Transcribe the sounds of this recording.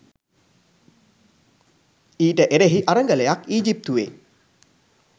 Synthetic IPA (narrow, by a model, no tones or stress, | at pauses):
iːʈəʔeɾeɦiʔaɾəŋɡələjakiːd͡ʒip̚t̪uʋḛ